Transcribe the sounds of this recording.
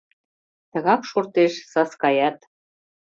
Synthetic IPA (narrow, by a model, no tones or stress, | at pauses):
t̪ə̆ɣɑkʃort̪eʃsɑskɑjɑt̪